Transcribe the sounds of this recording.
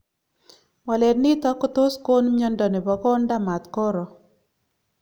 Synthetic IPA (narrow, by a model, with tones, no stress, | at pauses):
wa˨lɛ˨dnɪ˦t̪ɔ˦kɔ˦t̪o˦sko˦nm˦ɲɔ˦ndɔ˨ne˨bɔ˨kɔ˦nda˦ma˨t̪kɔ˦ɾɔ˨